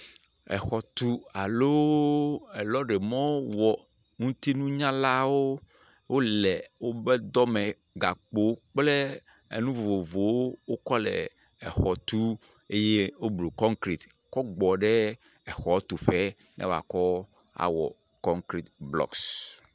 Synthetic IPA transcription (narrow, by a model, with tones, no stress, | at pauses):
ɛ̰˨xɔ˨t̪u˦a˨lo˦ | ɛ˨lɔ˦ɖɛ˨mɔ̃˦wɔ˨ | ŋũ˦t̪i˦nũ˦ɲã˦la˦wo˦ | wʔo˦lɛ˨wo˦bɛ˦d̪ɔ˦mɛ̃˨ɡa˨k͡po˦k͡plɛ˦ḛ˨nũ˦vo˨vo˨vo˨wo˦wo˦kɔ˦lɛ̰˨ | ɛ̰˨xɔ˨t̪u˦ | e˦je˦wo˦blo˨kɔ̃˦ŋkɾi˨t̪kɔ˦ɡ͡bɔ˨ɖɛ˦ | ɛ˨xɔ˨˦t̪u˨ɸɛ˦ | nʔɛ̰̃˦wo˦˨a̰˨kɔ˦a̰˨wɔ̰˨kɔ˦ŋkɾi˦˨t̪blɔ̰˦ks